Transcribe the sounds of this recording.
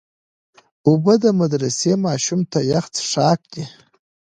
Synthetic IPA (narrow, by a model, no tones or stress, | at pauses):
ubəd̪əmad̪ɾasemaːʃumt̪ʰajaχt͡sʰʂaːk̚ʼkʲi